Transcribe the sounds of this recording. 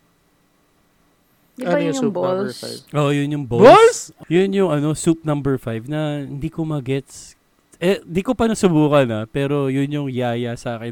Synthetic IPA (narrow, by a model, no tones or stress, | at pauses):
d̪ʊubl̰vʔojʊnjʊŋboolsjʊnjʊŋʔɐno̞sup̚nɐ̃mbɛɹfajvnɐhɪnd̪ikomɐɡɛt̪s | ɛɪ̃nd̪iːkopɐnɐsʊbuːkɐnɐpɛːɾo̞jʊnjʊŋjaːjɐsɐaːkɛ